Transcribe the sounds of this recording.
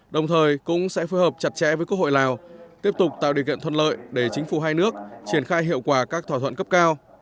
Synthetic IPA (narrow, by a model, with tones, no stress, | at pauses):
ɗə˨˩wŋ͡mt̪ʰəː˨˩jkʊ̰˧˥ŋ͡msɛ̰˧˥foː˨˦jhəː˨˩p̚t͡ɕa˨˩t̚t͡ɕɛ̰˧˥vəː˨˦jku˧əkho̰˧˨laː˨˩wt̪i˦˥əp̚t̪ʊ˨˩k͡p̚t̪a̰ː˧˨ɗi˨˩əkḭ˧˨ənt̪ʰə˧nlə̰ː˧˨jɗe˧˩t͡ɕï˨˦ŋ̟fu˧˩ɦaː˧jnɨ˦˥ək̚t͡ɕi˧˩ənxaː˧jɦḭ˧˨əwkwaː˧˩kaː˦˥k̚t̪ʰwaː˧˩t̪ʰə̰˧˨nkə˦˥p̚kaː˧w